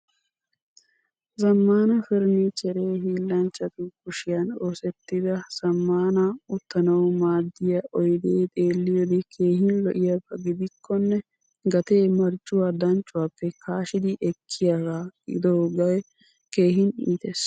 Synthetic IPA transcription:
zɐmːaːnɐfɛɾnit͡ʃɛɾeːɦiːlːɐnt͡ʃːɐt̪ʊkʊʃɪjɐnoːsɛt̪ːɪd̪ɐsɐmːaːnɐʊt̪ːɐnɐwmaːd̪ːɪjɐʔɔjd̪eːt̪ʼeːlːɪjod̪ɪkʰe̞ːhɪnlɔʔɪjapːɐɡɪd̪ɪkʰːɔnːɛ | ɡɐt̪eːmɐɾt͡ʃʼːʊwad̪ɐnt͡ʃʼːʊwapːɛkʰaːʃɪd̪ɪʔɛkʰːɪjaːɡaːɪ̰d̪oːɡɐj | keːɦɪnḭːt̪es

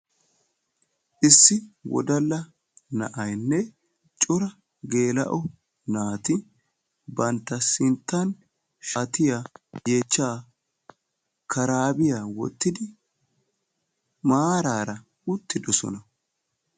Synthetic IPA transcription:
ʔɪsːɪwɔ̰d̪ɐlːɐ | nɐ̰ʔɐjnːɛ | t͡ʃʼʊɾɐ | ɡe̞ːlɐ̰ʔɔ | naːt̪ɪ | bɐnt̪ːɐsɪnt̪ːɐn | ʃaːt̪ɪjaje̞ːt͡ʃːaː | kʰɐɾaːbɪjawɔ̰t̪ːɪd̪ɪ | maːɾaːɾɐ | ʊt̪ːɪd̪ɔsɔ̰nɐ

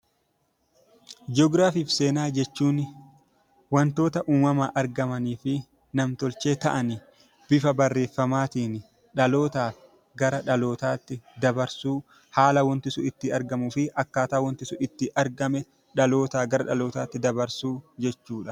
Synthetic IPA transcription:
d͡ʒɔːɡɾaːfiːfse̞ːnaːd͡ʒɛt͡ʃːuːn | wɐnt̪o̞ːt̪ɐʔuːmwɐmaːʔɐɾɡɐmɐniːfɪ | nɐmt̪ɔlt͡ʃeːt̪ɐ̰ʔɐnɪ | b̥ɪfɐbɐrːe̞ːfːɐmaːt̪iːnɪ | ᶑɐlo̞ːt̪aː | ɡɐɾɐᶑɐlo̞ːt̪aːt̪ːɪd̪ɐbɐɾsuː | haːlɐwɔnt̪ɪsʊɪt̪ːɪɐɾɡɐmʊfɪʔɐkːaːt̪aːwɔnt̪ɪsʊɪt̪ːɪʔɐɾɡɐmɛ | ᶑɐlo̞ːt̪aːɡɐɾɐᶑɐlo̞ːt̪aːt̪ːɪd̪ɐbɐɾsuːd͡ʒɛt͡ʃːuːᶑɐ

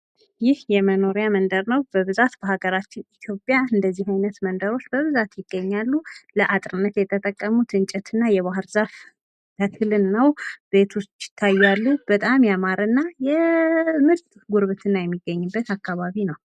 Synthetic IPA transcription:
jɪhjɛməno̞ɾjamənd̪əɾnəwbəβɨzat̪b̥əhaɡəɾat͡ʃːɪnit̪ʰjo̞pʼjaɨnd̪əzːihajnət̪mənd̪əɾo̞t͡ʃːbəβɨzat̪jɪɡ̥ːəɲːalːuləʔat̪ʼɾɨnːət̪jɛt̪ʰət̪ʼəkʼːəmut̪ʰɨnt͡ʃʼɛt̪ʰɨnːajɛβaɦɨɾzaf | t̪ʰəkʰɨlɨnːəwbe̞t̪ʰwust͡ʃʼːɪ̥t̪ʰːajːalːub̥ət̪ʼamjamaɾɨnːajɛmɨɾt̪ʼ | ɡuɾβɨt̪ʰɨnːajɛmːiɡːəɲːɨbːət̪akʰːaβaβinəw

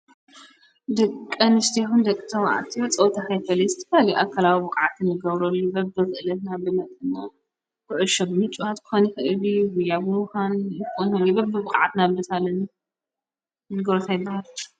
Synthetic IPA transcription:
d̪ɐkʼːɐnɨst̪ʰixund̪ɐkʼːɨt̪ʰɐma̰ʕa̰t̪ʰiɐt͡sʼɐwt̪ʰahajfɐlizɨt̪ʰɐ̥kʰaliʔakʰːalawibɨkʼʕat̪ʰɨnːɨɡɐβɾolːubɐbd̪ɨxɨʔɨlɐt̪nabɨnɐt̪ʼɨnːa | kɨʕɨʃobɨmɨt͡ʃʼuat̪kʰɨ̥xonixɨʔɨliwujabɨmuxanɨkonholibɐbɨbɨkʼʕat̪nabɨt̪ʰalːɐna | nɨɡɐɾot̪ʰajɪbːahal

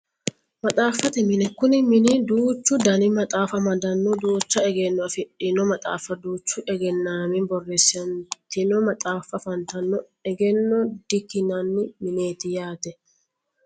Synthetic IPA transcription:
mɐt̪ʼaːfɐt̪ɛmɪnɛkʊnɪmɪnɪd̪uːt͡ʃːʊd̪ɐnɪmɐt̪ʼaːfɐmɐd̪ɐnːɔd̪uːt͡ʃːɐɛɡɛnːɔɐfɪᶑʼːɪnɔmɐt̪ʼa̰ːfɐd̪uːt͡ʃːʊʔɛɡɛnːaːmɪbɔrːɛsːɪɐnt̪ɪnɔmɐt̪ʼaːfɐfɐnt̪ɐnːɔ | ɛɡɛnːɔd̪̥ɪkːɪnɐnːɪmɪne̞ːt̪ɪjaːt̪ɛ

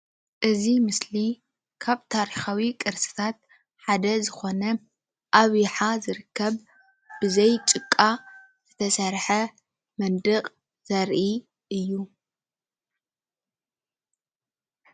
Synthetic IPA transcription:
ʔɨzimɨsli | kʰaβt̪ʰaɾixawikʼɨɾsɨ̥t̪ʰat̪̚ | ħad̪ɐzɨxo̞nɐ | ʔaβjħazɨɾɨkʰːɐβ | b̥ɨzɐjt͡ʃʼɨkʼːa | z̥ɨt̪ʰɐsɐɾħɐ | mɐnd̪ɨqʼ | z̥ɐɾʔi | ʔɨjːu

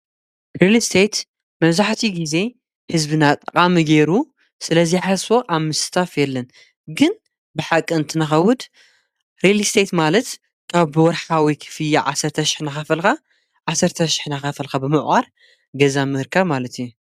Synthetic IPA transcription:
ɾelist̪ʰet̪ | mɐβzaħt̪ʰiɡize̞ | hɨzbɨnat̪ʼːɐqʼamiɡeɾu | sɨlɐzijħasfo̞ʔaβmɨsɨ̥t̪ʰafjɛlːɐn | ɡɨn | bɨħakʼːɨɨnt̪ʰɨnɐxɐwʊd̪ | ɾelist̪ʰet̪malɐt̪ | kʰaβːɨwɔɾħawikʰɨ̥fɨjaʕasːɐɾt̪ʰɐʃɪ̥ħnaxafɐlka | ʕasːɐɾt̪ʰɐʃi̥ħnaxafɐlkabɨmɨʔʔʼaɾ | ɡɐzamɨhɨɾkʰaβmalɐt̪iju

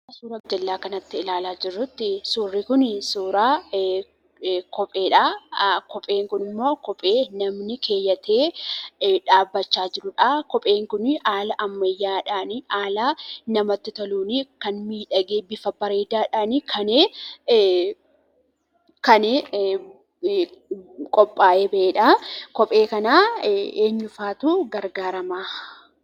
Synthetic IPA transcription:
suːɾɐbd͡ʒɐlːaːkɐnɐt̪ːɪɪlaːlaːd͡ʒɪrːʊt̪ːɪsuːrːikʊnsuːɾaː | kɔpʼeːᶑaːkɔpʼe̞ːŋkʊnɪmːo̞ːkɔpʼe̞ːnɐmnɪkʰe̞ːjːɐt̪e̞ː | ᶑaːbːɐt͡ʃːaːd͡ʒɪɾʊᶑaːkɔpʼe̞ːŋkʊnɪʔaːlɐʔɐmːɐjːaːᶑaːnɪaːlaːnɐmɐt̪ːɪt̪ɐluːnɪkɐnmiːᶑɐɡeːbɪfɐbɐɾe̞ːd̪aːᶑaːnɪkʰɐneː | kɐnɪ | kʼɔpʼːaːʔeːbɐʔeːᶑakɔpʼe̞ːkɐnaːeːɲːʊfaːt̪uɡɐɾɡaːɾɐmaː

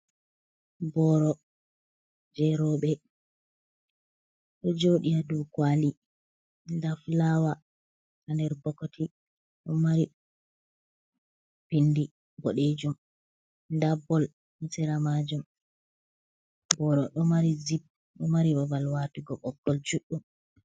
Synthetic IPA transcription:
bɔɾɔ | d͡ʒɛɾɔɓɛ | ɗɔd͡ʒoɗijadukwali | ndaflawa | kandɛɾbɔkːɔtʰi | ɗɔmaɾi | b̥indi | bɔɗed͡ʒum | ndabɔl | misɛɾamad͡ʒum | bɔɾɔɗɔmaɾizib̚ | ɗɔmaɾibɔbalwatuɡɔʔɔkːɔlt͡ʃuɗːum

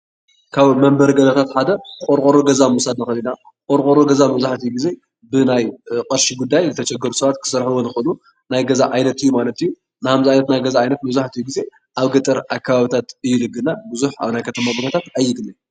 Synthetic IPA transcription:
kʰaβmɐmbɐɾɡɐzɐt̪ʰat̪ħad̪ɐkʼoɾkʼoɾoɡɐzamusad̪naxɐlina | kʼoɾkʼoɾoɡɐzamɐβzaħt̪ɨjuɡize̞ | bɨnajqʼɐɾʃiɡud̪ːajzɨt̪ʰɐt͡ʃʼɐɡːɐɾusɐβat̪kʰɨ̥sɐɾħɨwonɨxɨlu | najɡɐzaʔajnɐt̪ɨjːumalɐt̪ɨjːu | nɨhamziajnɐt̪najɡɐzaajnɐt̪̚mɐβzaħt̪ɨjːuɡize̞ | ʔaβɡɐt̪ʼɨɾʔakʰːaβaβit̪ʰat̪ɨjːulɨɡːɨlnːabɨzuħa̰βnajkʰɐt̪ʰɐmabuɡɐt̪ʰat̪ajːɪɡ̪ɨlːi

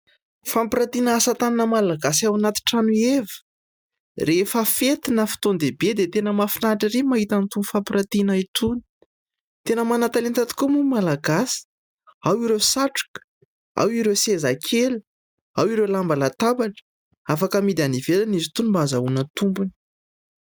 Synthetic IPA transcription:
fampiɾat̪inəasat̪aninəmalaɡasawanat̪i̥ʈ͡ʂanuevə̥ | refəfet̪inəfi̥t̪ond̪ebed̪et̪enəmafinaʈ͡ʂəɾimaɦit̪ant̪unifampɾat̪inait̪ʰuni̥ | t̪enəmanat̪alint̪at̪i̥kumumalaɡasi̥ | awiɾewsaʈ͡ʂu̥kə̥ | a̰wiɾewsezakʰelu | awiɾelambalat̪abaʈ͡ʂə̥ | afakəmid̪anivelanizit̪unimbaazaunət̪umbuni̥

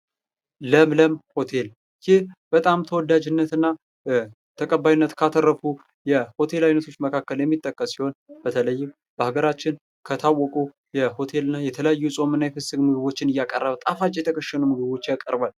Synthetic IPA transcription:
ləmləmho̞t̪ʰe̞l | jɪhb̥ət̪ʼamt̪ʰəwɔd̪ad͡ʒɨnːət̪ɨnːa | t̪ʰəkʼəbːajinːət̪kʰat̪ʰərːəfu | jɛho̞t̪ʰe̞lajnət̪ʰo̞t͡ʃːməkʰakːəljɛmːit̪ʼːəkʼːəsːiho̞nb̥ət̪ʰələjːɪm | b̥əhaɡəɾat͡ʃːɪn | kʰət̪ʰawːɔkʼu | jɛho̞t̪ʰe̞lɨnːajɛt̪ʰələjajːusʼo̞mɨnːajɛfɨsɨɡmɨɡɨβo̞t͡ʃːɪnɨjːakʼə̰rːəβət̪ʼafat͡ʃʼjɛt̪ʰəkʰəʃːənumɨɡɨβo̞t͡ʃːjakʼə̰ɾbal

